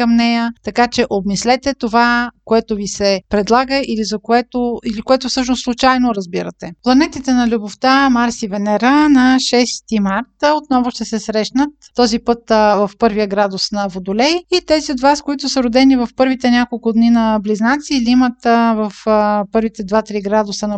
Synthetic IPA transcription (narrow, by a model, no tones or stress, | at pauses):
kəmnɛjət̪ɐkat͡ʃɛʔobnislɛt̪ɛt̪ovakoɛt̪ʊvisɛpɾɛd̪lˠaɡəʔilizɐkoɛt̪oilikoɛt̪ʊfsɤʃnoslˠʊt͡ʃajnoɾəzbiɾət̪ɛplˠɐnɛt̪it̪ɛnɐlʲuboft̪amaɾsivɛnɛɾanɐʃɛst̪imaɾt̪ot̪̚nɔvʊʃt̪ɛsɛsɾɛʃnət̪ːɔzipɤt̪vɐfpɤɾvijəɡɾad̪ʊsnɐvod̪ʊlɛjit̪ɛziod̪vaskoit̪ʊsəɾʊd̪ɛnivɐfpɤɾvit̪ɛnʲakolˠkʊd̪ninɐbliznat̪silimət̪vəfpɤɾvit̪ɛd̪vat̪ɾiɡɾad̪ʊsənɐ